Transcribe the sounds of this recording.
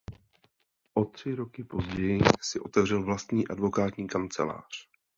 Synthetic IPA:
ʔo̞t̪r̝̥ɪɾo̞kɪpo̞zɟɛjɪsɪʔo̞t̪ɛvr̝ɛlvlast̪ɲiːʔadvo̞kaːt̪ɲiːkant͡sɛ̰la̰ːr̝̥

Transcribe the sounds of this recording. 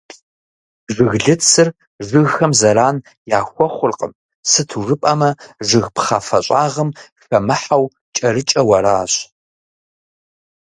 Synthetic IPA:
ʐɨɣɮɨt͡sʰɨr | ʒɨɣxɐmzɐɾaːn | jaːxʷɔχʷʊrqə̰m | sɨtʰurɨpʼɐmɐʒɨɣpχɐfɐɕʼaːʁɐmxɐmɨħaw | t͡ʃʼɐrɨt͡ʃʼɐwɐɾaːɕʼ

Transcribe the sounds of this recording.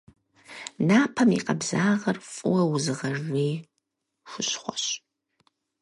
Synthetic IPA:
naːpʰɐmḭqʼɐ̰bzaːʁɐrfʼʊɐwʊzɨʁɐʒiː | ʃʷʊɕχʷɔɕ

